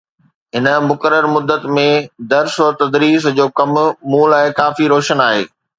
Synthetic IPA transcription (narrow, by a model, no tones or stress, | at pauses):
ɦɪnə̆mʊkəɾəɾmʊd̪ːət̪mẽd̪ɐɾsoɾt̪ɐd̪ɾiːs̬d͡ʑoːkɐmmuːlɛ̃ːkaːfiɾoːʃənaːɦḛː